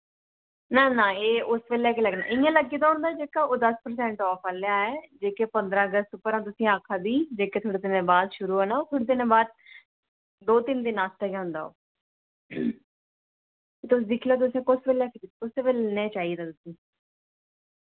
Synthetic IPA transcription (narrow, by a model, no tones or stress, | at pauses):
nãːnãːeːʔʊsʋeːljɛːkeːləɡna̰ːʔɪ̃ãːləɡːiːd̪aːɦʊ̃nd̪aːd͡ʒeːkaːoːd̪əspəɾs̬ɛ̃ːɳʈɔːfʰaljaːɛːd͡ʒeːkeːpənd̪ɾãːəɡəst̪ʊpəɾãːt̪ʊsĩːaːkʰːaːd̪iːd͡ʒeːkeːt̪ʰoːɽeːt̪ɪnẽːbaːd̪ʃʊɾuːaːnaoːt̪ʰoːɽeːt̪ɪnẽːbaːd̪̚ | d̪oːt̪ɪnd̪inːãːst̪akeːɦʊ̃nd̪a̰ːo̰ː | t̪ʊsːd̪ɪkʰleoːt̪̬ʊsẽːkʊsʋeːljɛːkʰɾʊseːʋelnẽːt͡ʃaːiːd̪aːt̪ʊsĩː